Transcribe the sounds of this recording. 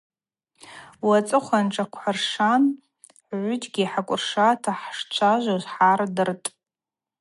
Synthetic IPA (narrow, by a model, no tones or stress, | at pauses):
wat͡sʼɨχʷanʈ͡ʂʼakʷʰħarʂan | ħʕʷʊtʰʼɡʲiħakʷʼʊrʂatʰaħʂt͡ʃʷʰaʒʷazħardɨrtʼ